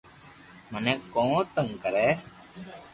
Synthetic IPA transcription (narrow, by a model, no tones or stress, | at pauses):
mənɛːkõːt̪əŋɡkəɾɛː